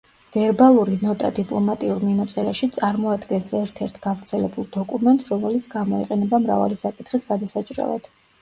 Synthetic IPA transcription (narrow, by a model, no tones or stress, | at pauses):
v̥ɛɾbalˠuɾinɔt̪ʼad̪ipʼlˠɔmat̪ʼiuɾminat̪sʼɛɾaʃit̪sʼaɾmɔad̪ɡɛnsɛɾt̪ʰɛɾt̪ʰɡ̥avɾt̪sʰɛlɛbulˠd̪ɔkʼumɛnt̪ʼsɾɔmɛlit̪sʰɡamɔḭqʼɛnɛbamɾa̰va̰lisakʼit̪ʰχisɡad̪asat͡ʃʼɾɛ̰lˠa̰d̪̥